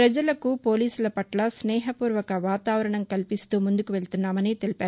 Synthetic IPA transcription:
ɾɐd͡ʒɐlɐkupo̞ːliːsulɐpɐʈlɐsnɛːɦɐpuːɾʋɐkɐʋaːt̪aːʋɐɾɐɳɐmkɐlpist̪uːmund̪ukuʋe̞ɭt̪unːaːmɐnit̪elipaːɾ

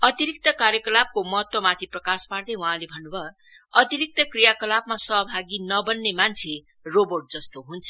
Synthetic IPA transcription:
ʌt̪iɾik̚t̪ʌkaɾjʌkʌlab̚komʌɦʌt̪wʌmat̪ʰiprʌkaspard̪ʌjwaɦãlebʱʌnːubʱʌ | ʌt̪iɾik̚t̪ʌkrijakʌlabmasʌɦbʱaɡinʌbʌnːemant͡sʰe | robʌrʈ̚d͡zʌst̪oɦunt͡sʰʌ̥

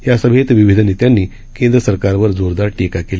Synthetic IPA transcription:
jasəbʱet̪ʋiʋid̪ʱənet̪janːiː | kẽnd̪ɾəsəɾkaɾʋəɾd͡zoɾd̪aɾʈikakel

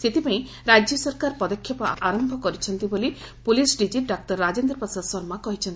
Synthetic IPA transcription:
set̪ipaĩ | ɾad͡ʒjɔsɔɾkaɾpɔd̪ɔkʰːjɔpɔaɾɔmbʱɔkɔɾit͡ʃʰɔnt̪ibolipulisɖid͡ʒiɖak̚ʈɔɾːad͡ʒend̪ɾɔpɔsad̪sɔɾmakɔɦit͡ʃʰɔnt̪i̥

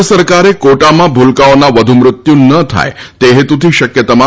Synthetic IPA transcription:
səɾkaɾekoʈamãbʱulkaonaʋəd̪ʱumɾʊt̪junət̪ʰa̰et̪eɦet̪ũt̪ʰiʃəkjət̪əmã

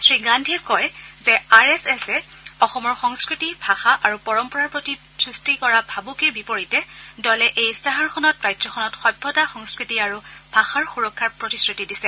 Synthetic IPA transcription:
sɹiɡandʱiɹkɔjzɛaɹɛsɛsɛɔxɔmɔɹxɔŋskɹitibʱaxaʔaɹupɔɹɔmpɔɹaɹpɹɔti | sɹistikɔɹabʱabukebipoɹitɛdɔlɛʔejstaɦaɹxʰɔnɔtɹajzɔkʰɔnɔtxɔjbʱːɔtaxɔŋskɹitiaɹub̥ʱaxaɹxuɹɔkʰːapɹɔtisɹitidisɛ

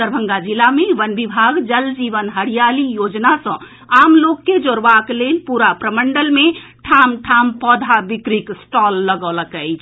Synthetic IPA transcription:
əɾbʱə̃ŋɡad͡ʒilːameʋənbibʱaɡd͡ʒəld͡ʒiʋənɦəɽijalijod͡ʒnasə̃ | amlokːed͡ʒoɾbaklelpuɾapɾəməɳɖəlmeʈʰamʈʰampɔd̪ʱabikɾiksʈɔlːəɡələkəjt͡ʃʰ

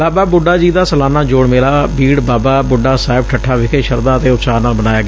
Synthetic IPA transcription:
baːbaːbʊɖaːd͡ʒiːd̪aːsəlaːnaːd͡ʒoːɽmeːlaːbiːɽbaːbaːbʊɖaːsaːɪb̚ʈʰəʈʰːaːʋɪkʰeːʃəɾd̪aːət̪eːʊtt͡ʃaːnaːlbənaːjaːɡɪaː

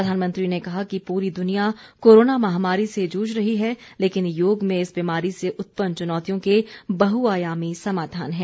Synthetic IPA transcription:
ɾəd̪ʱaːnmə̃nt̪ɾinekɐɦakipuːɾid̪ʊnijakoːɾoːnamɐɦamaːɾised͡ʒuːd͡ʒɾɐɦiɦɛleːkɪnjoːɡmẽɪsbiːmaːɾiseʔʊt̪̚pənt͡ʃʊnɔːt̪ijõkebɐɦuaːjaːmisɐmaːd̪ʱaːnɦɛ̃ː

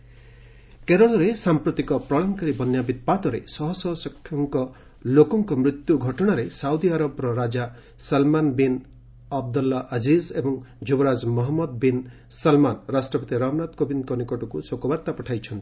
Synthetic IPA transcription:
keɾɔɭ̃ɔɾesampɾut̪ikɔpɾɔɭɔŋkaɾibɔnjabid̪̚pat̪ɔɾḛsɔɦɔsɔɦɔsɔkʰːjɔŋkɔ | lokɔŋkɔmɾit̪juɡʱɔʈɔɽ̃aɾesawd̪iaɾɔbɾɔɾad͡ʒa | salmanbin | ab̚d̪ɔlːaʔad͡ʒizebɔŋd͡ʒubɔɾad͡ʒmɔɦɔmːɔd̪̚bin | sɐlmanɾasʈɾɔpɔt̪iɾamnat̪kobinkɔnikɔʈɔkusokɔbaɾt̪apɔʈʰajt͡ʃʰɔnt̪i̥

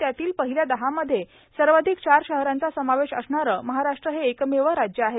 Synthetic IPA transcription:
t̪jat̪iːlpəɦiljad̪əɦaməd̪ʱːje | səɾʋad̪ʱikɕaɾɕəɦɾãnt͡sasəmaʋeɕə̰sɳaɾəməɦaɾaʂʈɾəɦeːkmeʋəɾad͡ʑjəaɦet̪

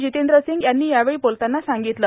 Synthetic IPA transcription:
d͡ʑit̪end̪ɾəsiŋɡjanːiːjaʋeɭiːpolt̪anːasaŋɡit̪lə

